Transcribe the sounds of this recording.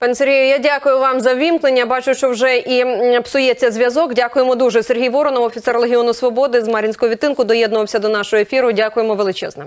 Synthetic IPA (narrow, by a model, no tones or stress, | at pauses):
pɑneseɾʲɦʲijʊjadʲakʊjʊʋɑmzɐʋʲimknenʲːɐbɑt͡ʃʊʃt͡ʃɔwʒɛʔipsʊjɛt͡sʲːɐzʲʋʲjɐzɔɡdʲakʊjemɔd̪uʒɛserɦʲijʋɔɾɔnɔwɔfʲit̪sɛrlˠeɦʲiɔnʊsʋɔbɔd̪ɪzmɑɾʲinʲsʲkɔɦɔʋʲit̪ːɪnkʊd̪ɔjɛd̪nʊʋɐwsʲɐd̪ɔnɑʃɔɦɔefʲiɾʊdʲakʊjemɔʋelˠɪt͡ʃɛ̰znɛm